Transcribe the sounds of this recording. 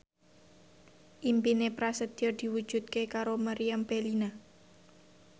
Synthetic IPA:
ʔimpinepɾasəd̪̥ird̪̥i̤wu̥ʒ̥ṳt̪̚kekaɾomaɾiambelina

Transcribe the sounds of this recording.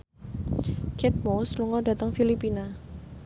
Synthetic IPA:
kʰɛt̪̚mosluŋɔda̤t̪əŋfilipina

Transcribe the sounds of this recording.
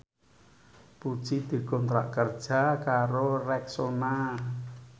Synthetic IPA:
pud̥ʒ̥id̪̥i̤ɡɔnt̪ɾa̰ʔkərd̥ʒ̥a̤kaɾorɛksona

